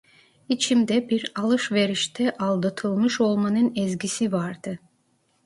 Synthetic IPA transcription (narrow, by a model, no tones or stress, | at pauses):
it͡ʃʰimd̪ɛbiɾalˠɯʃve̞ɾiʃt̪ʰɛʔalˠd̪at̪ʰɯlˠmɯʃo̞lˠmanɯnɛzɟisivaɾd̪̥ɯ